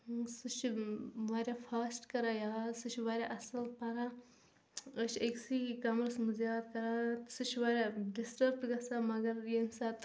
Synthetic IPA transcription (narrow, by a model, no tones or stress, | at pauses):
sut͡ʃʰʋaːɾʲafʰaːsʈkɐɾaːjaːsɨt͡ʃʰʋaːɾʲjaʔɐsɐlpɐɾa | əʃʰeksikɐmɾsmuzjaːd̪kɐɾasɨt͡ʃʰʋɐɾʲjaɖisʈɐɾʈɡɐsamɐɡɐɾjemsaːt̪